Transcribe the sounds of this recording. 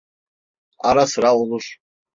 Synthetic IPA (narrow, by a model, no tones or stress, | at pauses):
aɾasɾaulˠuʂ